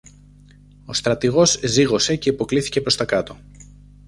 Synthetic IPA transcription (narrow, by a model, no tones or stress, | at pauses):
o̞st̪ɾɐt̪iɣo̞zziɣo̞se̞ce̞ipo̞kliθi̥ce̞pɾo̞st̪ɐkɐt̪o̞